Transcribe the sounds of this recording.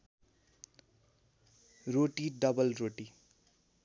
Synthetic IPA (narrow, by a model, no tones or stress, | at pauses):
roʈiɖʌbʌlroʈi